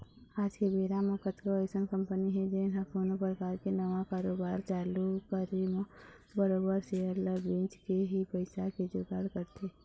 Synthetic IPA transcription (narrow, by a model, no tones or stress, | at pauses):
aːd͡ʒkebeːɾaməkət̪koɛsənkə̃mpəniɦɛd͡ʒenɦɐkʰoːnopɾəkaːɾkenɐʋãkaːɾoːbaːɾt͡ʃaːlukəɾim | bəɾoːbəɾseələbĩːt͡ʃkeɦipəɪsaked͡ʒoɡaːɾkəɾt̪ʰe